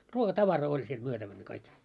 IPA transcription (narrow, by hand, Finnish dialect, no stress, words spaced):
ruokɑtɑʋɑroː olʲ siel myøtæʋænˑæ̆ kɑik